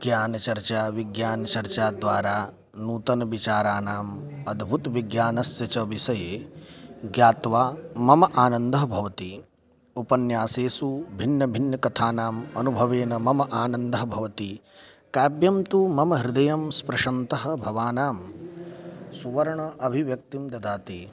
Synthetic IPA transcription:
ɡjaːnɐt͡ʃɐɾt͡ʃaːʋiɡjaːnɐt͡ʃɐɾt͡ʃaːd̪ʋaːɾaː | nuːt̪ɐnɐʋit͡ʃaːɾaːnaːmɐd̪ʱbʱut̪ʋiɡjaːnɐsjɐt͡ʃɐʋisɐjeː | ɡjaːt̪ʋaːmɐmɐʔaːnɐnd̪ɐɦɐbʱɐʋɐt̪i | upɐnjaːseːsubʱinːɐbʱinːɐkɐt̪ʰaːnaːmɐnubʱɐʋeːnɐmɐmɐʔaːnɐnd̪ɐɦɐbʱɐʋɐt̪i | kaːbjɐmt̪umɐmɐɦɾɪd̪ɐjɐmspɾɐʃɐnt̪ɐɦɐ̆bʱɐʋaːnaːm | suʋɐɾɐɳɐʔɐbʱiʋjɐk̚t̪imd̪ɐd̪aːt̪iː

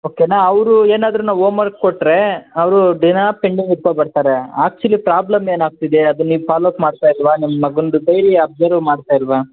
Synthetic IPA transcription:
oːkenaːɐʋɾueːnaːd̪ɾunaːʋoːmɐɾkkoʈːɾe̞ɐʋɾuɖinaːpeɳɖiŋɡiɾkobɐɽt̪aːɾeaːk̚t͡ʃuɐlipɾaːblɐme̞ːnaːɡ̚t̪id̪eɐd̪unniːʋpaːloːpmaːɖt̪aːjilʋaːnimːɐmɐɡɐnɖud̪ɐjɾiɐb̚d͡ʒɐɾʋmaːɖt̪aːjilʋaː

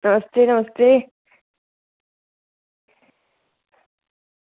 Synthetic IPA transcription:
nəməst̪eːnəməst̪eː

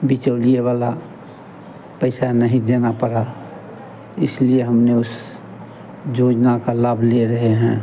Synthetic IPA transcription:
bɪt͡ʃəːlijewaːla | pəɪsanɐɦĩd͡ʒenapəɾa | ɪslieɦɐmneʊs | d͡ʒoːd͡ʒnakalaːbʱleɾɐɦeɦɛ̃ː

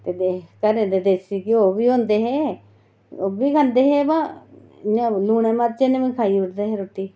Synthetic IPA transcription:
t̪eːd̪ekəɾẽt̪ed̪esikioːbiːɦõːnd̪eːɦeː | oːbiːkʰãːnd̪eːɦeːbã | nãluːñẽːmaːt̪̚t͡ʃenẽmẽkʰaːiʊɾd̪eɦeɾoːt̪ːiː

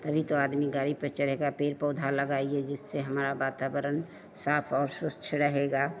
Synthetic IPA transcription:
t̪əbʱit̪oaːd̪miɡaɾipət͡ʃəɾeɡapeɾpɔʊd̪ʱaləɡaied͡ʒɪsːeɦəmɾabat̪abəɾən | saːpʰɔːɾsʊst͡ʃʰɾəɦeɡa

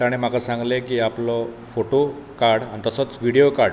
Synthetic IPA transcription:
aɽ̃im̤akasãŋɡlekiaplɔfoʈokaɾɽanit̪əsɔt͡sʋiɽijokaɾ

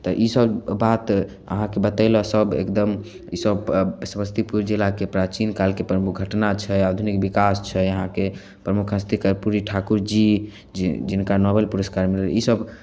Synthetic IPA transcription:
t̪ɔʔisəbːat̪ | ə̰ɦãkebət̪əɪlɔsəbḛkd̪əm | isəbsməst̪ʰipuɾd͡ʒilakepɾat͡ʃinkalkepɾəmukɡʱəʈnat͡ʃʰɛad̪ʱunikbikast͡ʃʰɛəɦãke | pɾəmukʰɦə̃st̪ʰikəɾpuɾiʈʰakuɾd͡ʒi | d͡ʒinkanɔbelpuɾəskaɾmil̰isəb

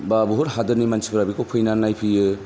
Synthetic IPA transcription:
babuɦuɾɦadɯɾnimansʰibɯɾabikopʰɯjnanajpʰɯjɯ

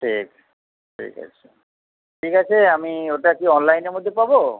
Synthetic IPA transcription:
ʈʰik | ʈʰḭka̰t͡ɕʰe̥ | ʈʰikat͡ɕʰeamioʈakiɔnlajnemod̪ʱːepabo

